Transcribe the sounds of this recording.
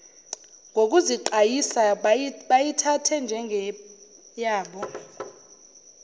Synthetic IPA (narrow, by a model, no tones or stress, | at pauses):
ŋɡʱok̬ʼuziǃajisaɓajitʰatʰɛnd͡ʒʱɛŋʱɛ | jaːɓɔ